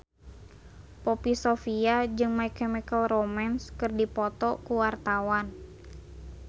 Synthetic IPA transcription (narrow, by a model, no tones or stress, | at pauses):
popisofiad͡ʒɨŋmaikɛmikəlromanskɨrdipɔt̪ɔkuwart̪awan